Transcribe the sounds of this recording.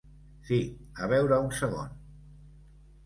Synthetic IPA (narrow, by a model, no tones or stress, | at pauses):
siəβ̞ɛwɾəunsəɣo̰n